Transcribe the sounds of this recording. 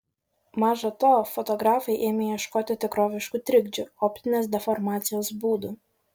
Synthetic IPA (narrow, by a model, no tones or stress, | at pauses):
mɑːʒɐt̪oːfɔt̪ɔɡɾɑːfɐɪʔeːmʲɛjɛʃkoːt̪ʲɪt̪ʲɪkɾoːʋʲɪʃkut̪ʲɾʲɪɡd͡ʒʲʊɔːpʲt̪ʲɪnʲeːs̬d̪ʲɛfɔɾmɑːt̪sʲɪjoːsbuːd̪u